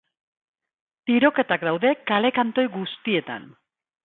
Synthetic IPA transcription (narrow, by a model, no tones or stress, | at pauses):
t̪iɾo̞ke̞t̪akd̪awðe̞kale̞kant̪o̞jɣust̪ie̞t̪a̰n